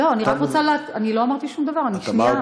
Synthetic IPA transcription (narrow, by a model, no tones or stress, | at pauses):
o̞aniʁakʁot͡salaanilo̞amaʁt̪iʃumd̪avaʁaniʃna